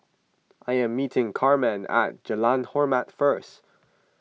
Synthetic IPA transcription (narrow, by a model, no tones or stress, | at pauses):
ʔaɪɨ̃mːitʰɪ̃ŋkʰɑɹmɛ̃næ̰t̚d͡ʒ̥əlãnhɔɹmætfɜ˞st